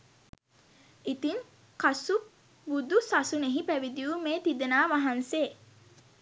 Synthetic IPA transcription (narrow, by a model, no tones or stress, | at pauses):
it̪iŋ | kasu | bud̪usasuneɦipæʋid̪iumeːt̪id̪ənaːʋaɦanseː